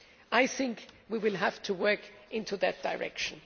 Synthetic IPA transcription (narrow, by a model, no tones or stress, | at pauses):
aɪθɪ̃ŋkwiwɪlˠɦæftʰuwɜ˞kʔɪ̃ntʰuðɨt̚d̥aɪɹʔɛ̰kʃə̃n̩